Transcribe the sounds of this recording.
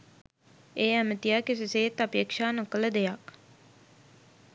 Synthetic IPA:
eːæmət̪ijaːkesiseːt̪ːapeːkʂaːnokələd̪ejak

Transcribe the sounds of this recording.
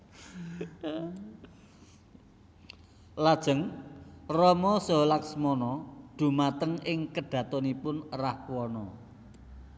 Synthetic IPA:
lad̥ʒ̥ə̤ŋrɔmɔsɔ̤laksmɔnɔɖ̪̥ṳmat̪əŋɪŋkəɖ̥ä̤t̪ɔnipʊnrahwɔnɔ

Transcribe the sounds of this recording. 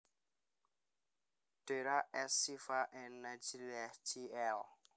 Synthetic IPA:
teɾaʔɛsifaʔɛnːad͡ʒilɛtʰiɛl

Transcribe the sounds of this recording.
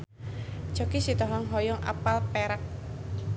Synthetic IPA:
t͡ʃɔkisit̪ɔɦɔŋɦɔjɔŋa̰palpɛɾak̚

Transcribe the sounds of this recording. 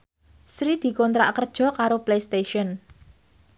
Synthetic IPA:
sɾid̪̥i̤kɔnt̪ɾa̰ʔkərd̥ʒ̥ɔ̤kaɾoplejst̪eʃiɔn

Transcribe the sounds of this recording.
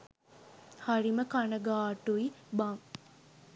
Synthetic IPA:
hariməkanəɡaːʈuibaŋ

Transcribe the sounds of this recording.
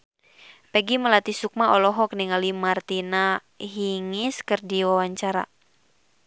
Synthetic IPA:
pɛɡiməlat̪isuk̚maɔlɔɦɔkniŋalimart̪ina | ɦiŋiskɨrdiwawaɲt͡ʃaɾa̰

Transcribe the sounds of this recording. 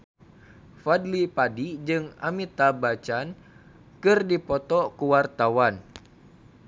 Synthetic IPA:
fadlipadid͡ʒɨŋa̰mit̪abat͡ʃan | kɨrdipɔt̪ɔkuwart̪awan

